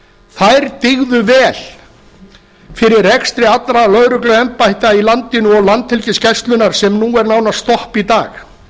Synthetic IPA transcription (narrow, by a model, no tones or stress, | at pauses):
θajɾt̪ɪɣðʏvɛːl̥ | fɪɾɪrrɛkst̪ɾɪat̪lɾalœɣɾʏklʏɛmpajht̪ailant̪ɪnʏɔɣlant̪hɛlcɪscɛst̪lʏnaɾ̥sɛmnuɛɾnaːwnast̪ɔhpit̪aːx